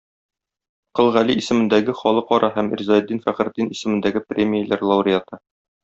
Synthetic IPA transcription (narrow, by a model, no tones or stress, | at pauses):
qɤ̆lˠʁæliisɘ̆mɘ̆nd̪æɡɘχɒlˠɤqɒɾʔɑɦæmḭɾzɑjd̪ːinfæχɘ̆ɾd̪inisɘ̆mɘ̆nd̪æɡɘprʲemʲijəlæɾlˠɑwɾʲɪat̪ɤ